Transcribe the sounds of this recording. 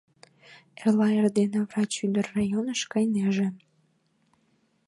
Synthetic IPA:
elɑerd̪enevrɑt͡ɕyd̪ərːɑjonəʃkəjneʒĕ

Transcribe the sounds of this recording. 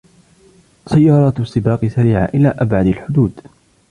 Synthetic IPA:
sajːɑːɾˤɑːt̪sˤːɪbɑːqɨsaɾiːʕa̰ʔɪlaːʔabʕad̪alħʊd̪uːd̪

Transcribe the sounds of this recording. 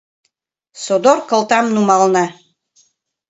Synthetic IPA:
sod̪oɾkɤ̆lˠt̪ɑmnumɑlˠnɑ

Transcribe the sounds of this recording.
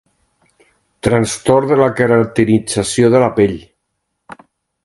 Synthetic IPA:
t̪ɾanst̪ɔɾðəlakəɾant̪əɾid͡zasioðəlapeʎ

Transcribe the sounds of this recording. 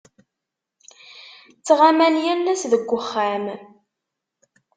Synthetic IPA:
t͡sːʁamænjælːæsðəɡʷːəχːam

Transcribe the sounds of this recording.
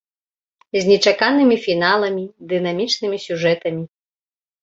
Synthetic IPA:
zʲnʲɛt͡ʂakanɨmʲifʲinalˠɐmʲid̪ɨnamʲit͡ʂnɨmʲisʲuʐɛt̪ɐmʲi

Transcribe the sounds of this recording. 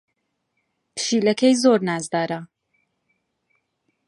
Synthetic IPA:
pʰɨ̥ʃiːlɐkʰejzoːɾnaːzd̪aːɾɐ

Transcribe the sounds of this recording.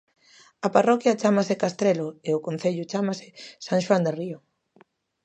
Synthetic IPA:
ɐparɔkjat͡ʃamasɪkast̪ɾelʊeʊkõn̟θeʎʊt͡ʃamasɪ̥saŋʃwand̪eriʊ

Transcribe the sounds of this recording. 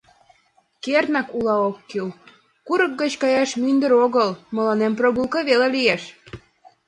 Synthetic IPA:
kernɑkulɑokːil | kuɾək̚ɡət͡ɕkɑjɑʃmynd̪əɾoɣəlməlɑnemproɣulˠkəβelelijeʃ

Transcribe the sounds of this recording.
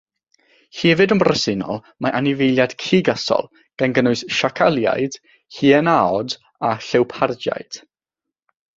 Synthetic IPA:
hivɨdəmbrəsɪnɔ̰lˠ | maʔanɪvejlˠjad̥kʰiːɡasɔ̰lˠ | ɡ̥anɡənʊɨsʃakʰalˠja̰jd̥ | hiɛnaɔd | aɬɛwpʰard͡ʒja̰jd̥

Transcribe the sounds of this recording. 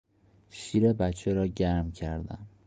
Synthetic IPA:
ʃiːɾebæt̪t͡ʃʰeɾɒːɟæɾmcʰæɾd̪æ̰m

